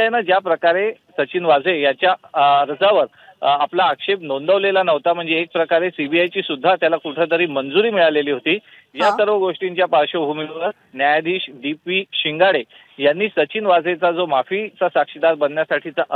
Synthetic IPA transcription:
nəd͡ʑjapɾəkaɾesət͡ɕiːnʋad͡zʱejat͡ɕjaəɾd͡zaʋəɾ | aplaːkʂep̚nond̪əʋlelanəʋt̪am̤əɳd͡zeːk̚pɾəkaɾesibiajt͡ɕiːsud̪ʱːat̪jalakuʈʰet̪əɾiːmənd͡zuɾiːmiɭaleliːɦot̪iː | jasəɾʋəɡoʂʈiɲt͡ɕjapaɾɕəbʱumiʋəɾ | njajd̪iːɕd̪ipʋiːɕiŋɡaɽe | janːiːsət͡ɕinʋad͡zʱet͡sad͡zomafit͡sasakɕid̪aɾbənːjasaʈʰit͡saʔ

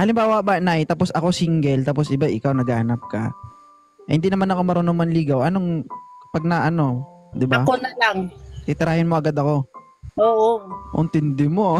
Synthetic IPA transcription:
ʔɐlɪmbaːwɐbɐnajt̪aːpo̞sʔɐko̞siŋɡɛlt̪aːpo̞sʔɪbaʔɪkawnɐɡaːɐnɐp̚kɐ̰ | hɪnd̪inɐmanɐko̞mɐɾonomɐnliːɡɐwʔɐnoŋpɐɡ̚nɐʔɐno̞ | d̪ɪbakonɐlaŋt̪ɪt̪ɪɾaːhɪnmo̞ʔɐɡad̪ɐko̞ | oːʔoʔɪ̰nt̪ɪnd̪ɪmo̞

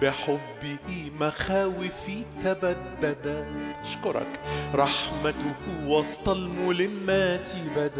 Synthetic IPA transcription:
bɪħʊbːɪmaxaːwɪfit̪abad̪ːad̪aʔɑʃkʊɾˤɑ̰kɾˤɑħmat̪ʊwɑsˤt̪ˤɑlmulɪmːat̪ibad̪

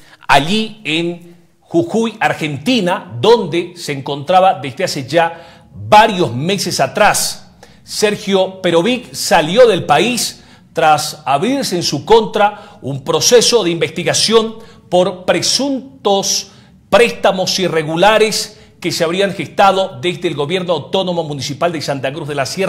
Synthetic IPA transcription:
aʎieŋ | xuxujaɾxe̞nt̪inaðo̞nd̪e̞se̞ːŋko̞nt̪ɾaβaðe̞zðease̞d͡ʒa | βaɾjo̞zme̞se̞sat̪ɾasː | e̞ɾxjope̞ɾo̞βiksaljo̞ðe̞lpais | t̪ɾasaβɾiɾseːnsuko̞nt̪ɾaumpɾo̞se̞so̞ðeimbe̞st̪iɣasjo̞n | po̞ɾpɾe̞sunt̪os | pɾe̞st̪amo̞sire̞ɣulaɾes | ke̞seaβɾiaŋxe̞st̪aðo̞ðe̞zðeːlɣo̞βje̞ɾnoawt̪o̞no̞mo̞mũnisipald̪e̞sant̪akɾuzðelasjer

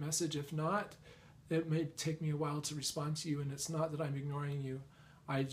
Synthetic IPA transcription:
mɛsɨd͡ʒɨfnəɾ | ɪt̚meɪtʰeɪk̚miɨwaɪlˠtʰɨɹɨspɑ̃ntʰɨjɨɨ̃nɨtsnət̪̚ðəɾãɪ̃mɨɡ̚nɔɹɪ̃ŋjʉ | aɪ

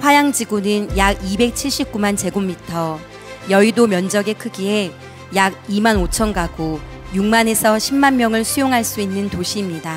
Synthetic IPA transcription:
ɸwajaŋd͡ʑiɡunɯnjaɡibe̞k̚t͡ɕʰiɭɕ͈ip̚k͈umand͡ʑe̞ɡomːitʰʌ | jʌidomjʌnd͡ʑʌɡe̞kʰɯɡie̞ | jaɡ̚imanot͡ɕʰʌnɡaɡo | juŋmane̞sʰʌɕʰimːanmjʌŋɯɭsʰujoŋɦaɭs͈uinːɯntoɕʰiːmɲida

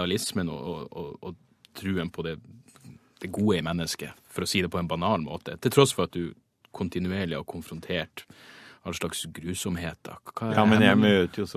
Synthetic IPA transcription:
ɑlɪsmənɔ̰ɔɔɔ | t̪ʰɾʉːənpʰɔd̪ɛ | d̪̥ɛɡuːəɪmɛnːəskəfɔɾɔsiːd̪ɛpʰɔɛnbɑnɑːlmo̰ːt̪ət̪ʰɪlt̪ʰɾɔsfɔɾɑt̪̚d̪ʉ | kʰʊnt̪ɪnʉeːɭɪɔkʰʊnfɾʊnt̪ʰeːʈ | ɑlʂɭɑksɡɾʉːsɔmheːt̪̚d̪ɑ̰kʰːɑːɛnjæmøːt̪əjʊs

